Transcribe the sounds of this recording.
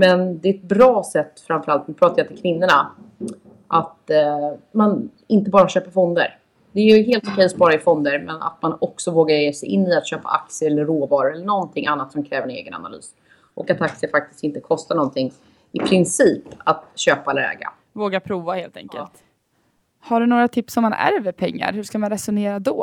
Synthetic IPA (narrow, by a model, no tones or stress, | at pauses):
mɛnd̪ɛɛt̪̚bɾɑːsɛt̪ːfɾamfœɾalt̪̚mɛpʰɾɑːt̪ajat̪ʰɪlkʰvɪnːʊɳa | ʔat̪ | man | ɪnt̪əbɑːɾaɕøːpafɔnd̪ə̰ɾ | d̪ɛæɾjɵɦeːlt̪ʊkʰɛjɔspɑːɾaɪfɔnd̪əɾmɛna̰t̪manɔksɔvoːɡaɾjeːsɛjʔɪnːɨat̪ɕøːpa̰ʔa̰k̪̚sɪɛlːəɾːoːvɑːɾʊɛlːəɳɔnt̪ʰɪŋʔanːat̪sɔmkʰɾɛːvəɾɛnḛːɡəna̰na̰ly̰ːs | ʔɔkat̪ak̚sɪəfak̚t̪ɪ̥st̪ɪnt̪əkʰɔst̪aɳɔnt̪ʰɪŋː | ɪpʰɾɪnsiːpat̪ɕøːpalɛ̰ːɡa̰ | voːɡapʰɾuːvaheːlt̪ɛ̰ŋkə̰lt̪ | haɖɵnoːɾat̪ʰɪpsɔmːanæ̰ɾvəpʰɛŋːa̰ɾhɵʂkamanɾɛsʊneːɾad̪ɔː